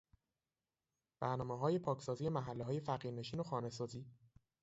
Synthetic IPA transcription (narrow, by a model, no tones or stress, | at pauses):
b̥æɾnɒːmeɦɒːjepʰɒːcʰsɒːzijemæɦælːeɦɒːje̞fæɣiːɾne̞ʃiːnoxɒːne̞sɒːziː